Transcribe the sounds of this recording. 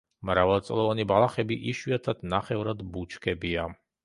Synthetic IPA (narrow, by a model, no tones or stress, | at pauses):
mɾavɛlˠt̪sʼlˠɔvanibalˠaχɛbiʔiʃwiat̪ʰad̪̥naχɛvɾad̪but͡ʃʰkʰɛbia